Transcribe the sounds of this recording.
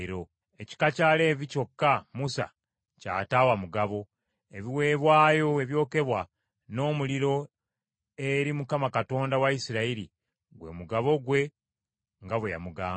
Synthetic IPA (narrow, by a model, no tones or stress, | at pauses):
ɾo | eci̥kacaːle̞ːβico̞kːamusa̰ | ca̰ːtaːwamuɡaβo̞ | eβiwe̞ːβwaːjo̞eβjo̞ːke̞βwa | no̞ːmuliɾo̞ | eɾimukamakato̞ːndawaisiɾaiɾḭ | ɡwe̞̰muɡaβo̞ɡwe̞ | ŋɡaβweja̰muɡaː